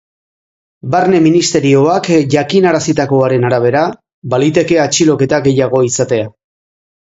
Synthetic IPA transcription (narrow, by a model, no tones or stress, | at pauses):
barne̞minist̪e̞ɾio̞akʝakinaɾasit̪ako̞aɾe̞naɾaβ̞e̞ɾa | balit̪e̞ke̞at͡ʃilo̞ke̞t̪aɡe̞jaɣ̞o̞isat̪e̞a